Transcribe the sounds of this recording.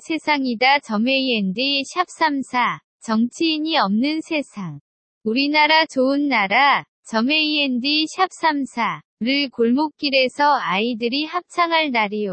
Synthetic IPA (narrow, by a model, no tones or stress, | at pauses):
sʰe̞sʰaŋidat͡ɕʌme̞iendiɕʰjap̚s͈amsʰa | t͡ɕʌŋt͡ɕʰiːɲiʌmnɯnsʰe̞sʰaŋ | uɾinaɾat͡ɕoɯnːaɾa | t͡ɕʌme̞iendiɕʰjap̚s͈amsʰa | ɯɾɯɭkoɭmok̚k͈iɾe̞sʰʌaidɯɾihap̚t͡ɕʰaŋɦaɭnaɾijo